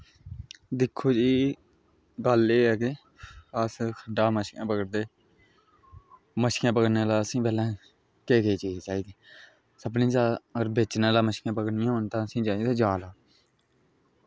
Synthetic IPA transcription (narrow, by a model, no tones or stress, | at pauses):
d̪ɪkʰːoːd͡ʒiː | ɡəleːɛːke | əːskʰəɖaːməʃkjãːpəɡəɽd̪eː | məʃkjãːpəɡɽnẽːlaːəsĩːpɛːlãː | keːkeiːt͡ʃiːzt͡ʃaːiːd̪eː | səbnĩːd͡ʒaːəɡəɾbeːt͡ʃnãːlaːməʃkjãːpəɡnɪjãːɦoːnt̪ãːəsĩːd͡ʒaːt̪ẽːd͡ʒaːloː